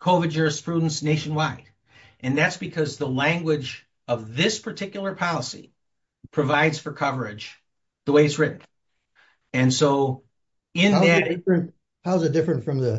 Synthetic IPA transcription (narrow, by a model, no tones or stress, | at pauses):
kʰoʊvɨd̚d͡ʒʊɹɨspʰɹ̥udⁿn̩sneɪʃn̩waɪɾ̥ | ʔɨ̃nðætsb̥ɨkʰʌzðəlæ̃ŋɡwɪd͡ʒ | ʌvðɪspʰə˞tʰɪkjl̩ˠə˞pʰɑlˠəsḭ | pʰɹ̥ɨvaɪdz̥fə˞kʰʌvə˞ɪ̥d͡ʒ | ðəweɪɨtsɹɪʔn̩ | ɨ̃nsoʊ | ɪ̃nðɨɪɹɨ̃n | haʊzɨdɪfɹɨ̃ntfɹʌ̃mðɨ